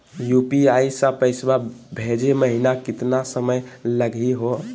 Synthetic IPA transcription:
jupiaisə̃pəɪsbabʱed͡ʒeməɦinakɪt̪nasəməjləɡiɦo

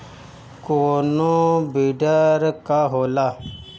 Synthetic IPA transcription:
koːnobiɖəɾkaɦoːla

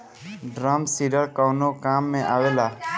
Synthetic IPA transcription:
ɖɾaːmsiːɾəlkawnoːkaːmːẽʔaːʋeːlaː

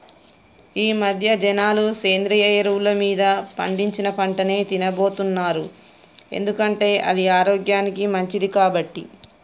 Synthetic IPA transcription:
iːmɐd̪ʱjɐd͡ʒɐnaːluseːnd̪ɾijɐjɐɾulɐmiːd̪ɐpɐɳɖiɲt͡ʃinɐpɐɳʈɐneːt̪inɐbo̞ːt̪unːaːɾu | e̞̰nd̪ukɐɳʈe̞ːʔɐ̰d̪iaːɾoːɡjaːnikimɐɲt͡ʃid̪ikaːbɐʈːi

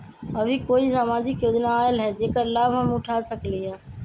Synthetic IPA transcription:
əbʱikoisaːmad͡ʒɪkjod͡ʒnaːelɦɛd͡ʒeːkəɾlabʱɦəmuʈʰasəkliɦɛ̃

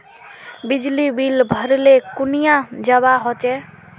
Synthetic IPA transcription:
bid͡ʒlibilbʱəɾlekunijãd͡ʒəβaɦot͡ʃe

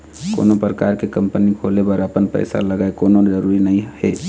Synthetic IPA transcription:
ko̰ːnopɾəkaːɾkekɐ̃mpənikʰoːlebəɾəpənpɛ̰ːsa̰ləɡaːekoːnozəɾuːɾinɐɦĩhɛː

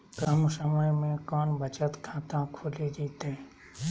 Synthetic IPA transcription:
kəmsəməjmẽkɔːnbʱət͡ʃət̪kʰãːt̪ãkʰoːled͡ʒiːt̪ẽː

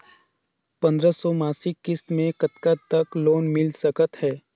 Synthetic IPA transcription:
pɐ̃nd̪ɾəsɔmaːsɪkːɪst̪mẽkɐt̪kat̪ɐkloːnmɪlsəkət̪hɛː

